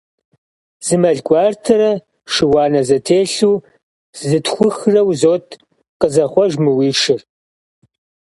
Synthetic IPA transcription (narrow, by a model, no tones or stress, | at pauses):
z̥ɨmɐɮkʷʼɑːrtʰɐɾɐ | ʂɨwɑːnɐzɐtʰeːɬuː | zɨtxʷʊxrɐwzoːtʰʼ | qəzɐχʷɔʒmɨwiːʂɨr